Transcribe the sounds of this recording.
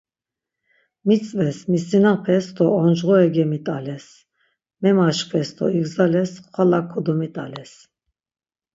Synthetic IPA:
mit͡sʼvɛsmisinapʰɛsd̪ʰɔɔnd͡ʒʁɔɛɡɛmit̪ʼalɛs | mɛmaʃχʰɛst̪ʰɔ̰iɡzalɛsχwalakʰːɔd̪ɔmit̪ʼalɛs

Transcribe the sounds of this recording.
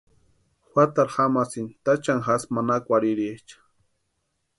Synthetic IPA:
xwat̪aɾxamasɪnt̪at͡ʃaŋxasmanakʷaɾiɾet͡ʃḁ

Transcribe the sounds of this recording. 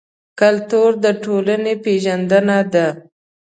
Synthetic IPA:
kalt̪uɾd̪əʈolanepeʒand̪ənad̪a

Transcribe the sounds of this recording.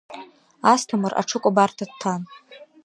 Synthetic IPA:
astʰamɨrʔa̰ʈ͡ʂʰɨkʷʼabartʰad̚tʰan

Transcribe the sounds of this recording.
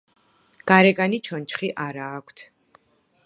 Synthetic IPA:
ɡ̥aɾɛkʼanit͡ʃʰɔnt͡ʃχiʔaɾaːkʷʰt̪ʰ

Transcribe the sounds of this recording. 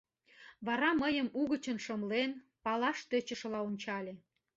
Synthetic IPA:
βɑɾɑməjəmuɣət͡ɕə̆nʃəmlen | pɑlɑʃt̪ə̆t͡ɕə̆ʃ̆lɑonʲt͡ɕɑlʲĕ

